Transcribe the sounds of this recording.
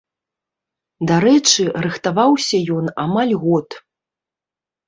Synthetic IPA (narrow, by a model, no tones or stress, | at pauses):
d̪aɾɛt͡ʂɨrɨxt̪avawsʲɐjɔnamalʲɣɔt̪